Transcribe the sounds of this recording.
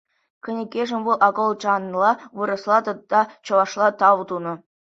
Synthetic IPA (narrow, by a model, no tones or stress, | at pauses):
kʲɘ̆nʲĕkʲeʐɘ̆mʲʋulˠʔɑɡolˠt͡ɕɑnlˠɑʋɯɾɤ̆slˠɑt̪ɤ̆t̪̚ːɑt͡ɕɤ̆ʋɑʂlˠɑt̪ɑʋt̪unɤ̆